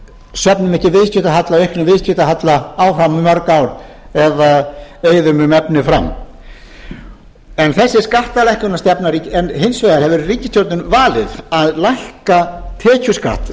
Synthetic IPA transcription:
sœpnʏmɛhcːɪvɪðscʏt̪aɦat̪laɔejhkʰɪnavɪðsc̪ʏt̪aɦat̪laawfɾamʏmœɾkawɾ | ɛðaeːjðʏmʏmɛpnɪfɾa̰m | ɛnθɛsːɪskaht̪alɛhkʏnast̪ɛpnaɾicɛnhɪnsveːðaɾ̥hɛvɛɾɪriːcɪst̪jowɾt̪nʏnvaːlɪðaðlajhkat̪ʰɛːcʏska̰ht̪

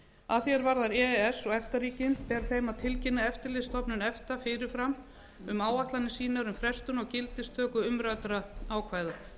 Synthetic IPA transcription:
aðθjɛɾvaɾðaɾɛɛsːɔɣɛft̪aɾiːcɪnp̪ɛɾ̥θejmaðt̪ʰɪlcɪnːaɛft̪ɪɾlɪst̪ʰɔpnʏnɛft̪afɪɾɪɾ̥fɾam | ʏmaːwaht̪lanːɪsiːnaɾʏmfɾɛst̪ʏnɔɣcɪlt̪ɪst̪ʰœːkʏʏmɾat̪ɾaaːwkʰvaːjða

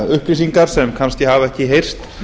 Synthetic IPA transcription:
ʏhpɾisiŋkaɾ̥sɛmkʰanscɪɦavɛhcɪɦejr̥st̪

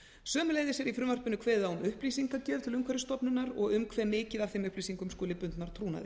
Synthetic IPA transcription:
sœːmʏleːjðɪsjɛɾifɾʏːmar̥pʏnʏkʰvɛːðaʏmʏhpliːsiŋkacɛːvt̪ʰɪlʏmkʰvɛɾʏst̪ɔpnʏnːaɾɔɣʏmkʰvɛːɾmɪːcɪðav̥θejmʏhpliːsiŋkʏmskuːlɪpʏnt̪naɾ̥t̪ʰɾuːna̰ðɪ̰

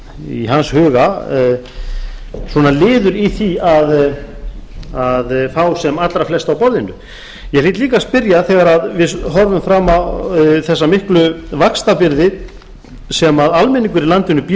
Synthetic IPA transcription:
ḭɦanshʏːɣa | swɔnalɪːðʏɾiθiað | aðfawsɛmat̪lɾaflɛst̪awpɔɾðɪnːʏ | jɛliːt̪liːkaspɪɾjaθɛɣaɾaðvɪðɦɔɾvʏmfɾaːmaθɛsːamɪhklʏvakst̪apɪɾðɪ | sɛmaðalmɛniŋkʏɾilant̪ɪnʏp

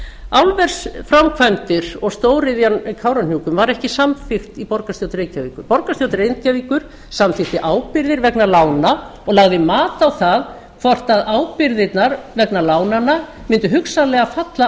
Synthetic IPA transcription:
awlvɛɾ̥sfɾamkʰvajmt̪ɪɾ̥ɔɣst̪oːwɾɪðjankʰaːwɾan̥jukʏmvaɾɛhcɪsamfɪxt̪ipɔɾkast̪jowt̪ɾeːcaviːkʏɾpɔɾkast̪jowt̪ɪɾejnt̪̚caviːkʏɾ̥ | samθɪxt̪ɪʔaːwpɪɾðɪɾvɛknalaːwna | ɔɣlaɣðɪmaːt̪awθað | kʰvɔr̥t̪aðaːwpɪɾðɪt̪naɾvɛknalaːwnanːa | mɪnt̪ʏɦʏksalɛːɣafat̪la

